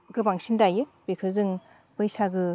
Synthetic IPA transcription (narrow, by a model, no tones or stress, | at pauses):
ɡɯbaŋsindajɯbekʰɯzɯŋ | bɯjsaɡɯ